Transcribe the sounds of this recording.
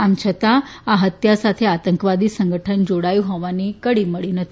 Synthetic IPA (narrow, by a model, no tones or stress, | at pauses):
amt͡ʃʰət̪aaɦət̪jasat̪ʰeat̪əŋkʋad̪iːsəŋɡʱəʈʰənd͡ʒoɽajuɦɔʋanikəɽiːməɭinət̪ʰi